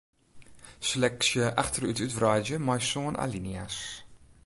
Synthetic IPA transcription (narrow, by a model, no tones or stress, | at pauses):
səlɛksjəʔaχtərytytvraːd͡ʒəmajsoːnʔa̰linia̰s